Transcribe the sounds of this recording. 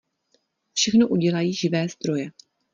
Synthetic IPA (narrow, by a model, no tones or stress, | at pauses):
fʃɛxno̞ʔuɟɛlajiːʒɪvɛːzd̪ɾo̞jɛ